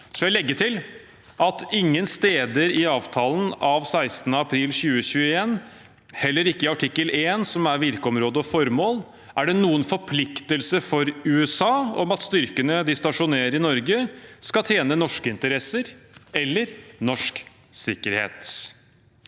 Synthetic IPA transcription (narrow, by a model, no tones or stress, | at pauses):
sɔjæɪlɛɡːəʈʰɪl | ʔɑt̪ɪŋːənst̪eːd̪əɾɪɑːʋt̪ʰɑːlənʔɑʋsæɪst̪ənəɑpʰɾiːlçʉːəçʉːəeːn | hɛlːəɾɪkːəɪɑʈʰɪkːəleːnsɔmæɾʋɪɾkəɔmɾoːd̪əɔfɔɾmoːl | ʔæɖɛnuːənfɔɾpʰlɪkt̪əlsəfɔɾʉːɛsɑːɔ̰mɑt̪st̪ʏɾkənəd̪ɪst̪ɑʂʊneːəɾɪnɔɾɡəskɑt̪ʰjeːnənɔʂkəɪnt̪əɾɛsəɾɛlːəɾnɔʂk | sɪkːəɾhḛːt̪